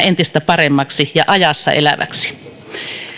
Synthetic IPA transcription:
ent̪ist̪æpɑremːɑksijɑ̰ʔɑjɑsːɑ̰ʔḛlæʋæ̰ksi̥

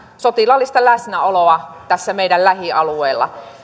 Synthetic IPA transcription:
sot̪ilɑlːist̪ɑlæsnæoloɑt̪æsːæmeˑidællæhiɑlueːlːɑ̰

